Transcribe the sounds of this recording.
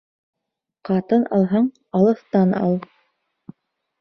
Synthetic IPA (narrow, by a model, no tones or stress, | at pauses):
qɑt̪ɤnʔɑlˠɦɤɴ | ɑlˠɤ̆θt̪ɑnɑ̰lˠ